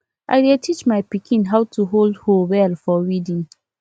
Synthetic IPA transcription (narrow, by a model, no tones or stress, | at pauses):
ʔa̰jdɛtʰit͡ʃmajpikʰĩnɦawtʰuɦoldhowɛlfɔɹidĩŋ